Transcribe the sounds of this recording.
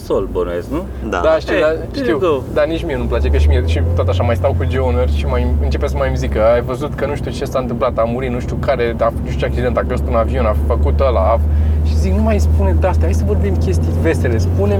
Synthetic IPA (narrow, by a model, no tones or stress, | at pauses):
solbonoesknu | d̪a̰aʃt̪id̪a | ʃt̪iw̪od̪anit͡ʃmienuplat͡ʃe̞kəʃimieʃit̪at̪aʃamajst̪awkud͡ʒeonerʲʃimajɨnt͡ʃe̞pesəmajmzikəajvəzut̪kənuʃt̪iut͡ʃe̞saɨnt̪ɨmplat̪amuɾit̪nũʃt̪iukaɾe̞afuʃt͡ʃeak̚t͡ʃid̪e̞nt̪akost̪unavio̞nafəkut̪olavʃi̥ziknumajspuned̪ast̪aɦajsəvo̞rbimkʲe̞st̪ijve̞sele̞spune